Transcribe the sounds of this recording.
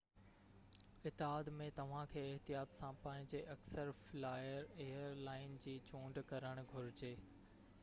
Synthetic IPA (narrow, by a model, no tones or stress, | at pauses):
ɪt̪ːɪɦaːd̪mẽt̪ɐʋ̤ãkʰeːɪɦt̪ijaːt̪sãpɐ̃ːɦɪ̃ɲd͡ʑeʔɐksəɾflaːjəɾeːəɾlaːɪnd͡ʑiːt͡ɕũːɳɖkɐɾəɽ̃ɡʱʊɾɪd͡ʑeː